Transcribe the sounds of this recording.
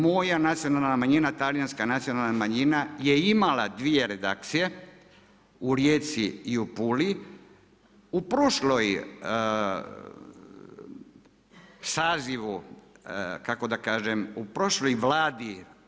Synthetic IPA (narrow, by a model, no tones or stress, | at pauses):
mo̞janat̪sijo̞nalnamaɲinat̪aljanskanat̪sijo̞nalnamaɲinaje̞imalad̪ʋije̞ɾe̞d̪a̰k̚t̪sije̞ | uɾjeːt̪siiupuli | upɾoʃloj | saːziʋu | kako̞d̪akaːʒemupɾo̞ʃlojʋlaːd̪i